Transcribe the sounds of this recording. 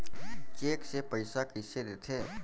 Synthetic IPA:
t͡ʃeːksepəɪsakɪseɾet̪ʰeː

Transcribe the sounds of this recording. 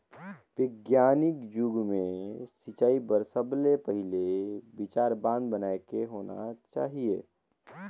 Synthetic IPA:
ʋɪɡjaːnɪkd͡ʒʊɡmẽsɪt͡ʃaːibəɾsəblepəɦɪlebɪt͡ʃaːɾbãːnd̪bənaːekeɦoːna̰t͡ʃa̰ːɦieː

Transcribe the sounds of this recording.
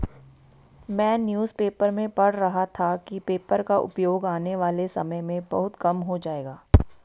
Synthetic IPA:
mɛ̃ːnjuːzpeːpəɾmẽpɐɽ̤ɾɐɦat̪ʰakipeːpəɾkaʔʊ̰pjoːɡaːneʋaːlesɐməjmẽbɐɦʊt̪kɐmɦod͡ʒaːeːɡaː

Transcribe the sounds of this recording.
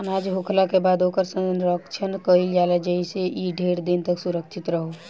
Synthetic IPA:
ənad͡ʒɦokʰlakebaːd̪oːkəɾsə̃nnɾɔkt͡ʃʰənkəild͡ʒaːled͡ʒəiseʔiɖʱeːɾd̪int̪əksuɾəkt͡ʃʰɪt̪ɾəɦo

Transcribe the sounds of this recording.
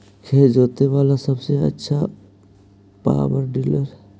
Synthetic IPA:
kʰeːd͡ʒoːt̪eʋaːlasəbseɐ̰tːʃʰa | pa̰ːwəɾɖiːləɾɛ

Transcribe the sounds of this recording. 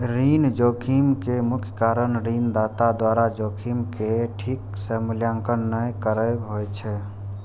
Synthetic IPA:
ɾind͡ʒokʰimkemukʰjə̥kaɾənɾind̪at̪ad̪waɾad͡ʒokʰimkeʈʰiksəmljãŋkənːəjkəɾəbɦojt͡ʃʰɛ

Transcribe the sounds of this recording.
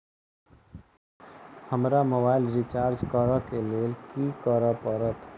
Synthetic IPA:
həmɾamobaːɪlɾɪt͡ʃaːɾd͡ʒkɔɾəkeliekikɔɾəpɔɾət̪ʰ

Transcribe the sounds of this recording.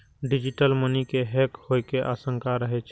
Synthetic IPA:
ɖɪd͡ʒɪʈəlmənikeɦɛːkhoekeʔa̰ːsə̃ŋkaɾəɦet͡ʃʰ

